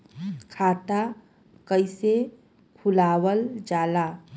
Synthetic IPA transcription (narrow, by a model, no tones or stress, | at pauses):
kʰaːt̪a | kəɪse | kʰʊlaːwəld͡ʒaːla